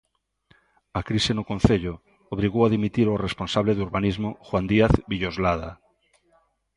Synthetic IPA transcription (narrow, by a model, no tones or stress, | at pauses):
akɾisenʊkõnθeʎʊ | oβ̞ɾiɣowaðimit̪iɾoresponsaβleðuɾβanizmʊxwand̪iaθβiʎozlaða